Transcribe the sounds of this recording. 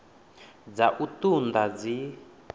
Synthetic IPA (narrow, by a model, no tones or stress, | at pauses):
d͡zaʔutund̪ad͡zi